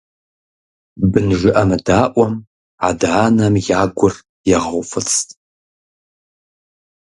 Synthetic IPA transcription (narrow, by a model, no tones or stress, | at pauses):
bɨnʒɨʔɐmɨdaːʔʷʼɔm | adʕaːnɐmjaːɡʷʊr | jɛʁɐwʷfɨt͡sʰʼtʼ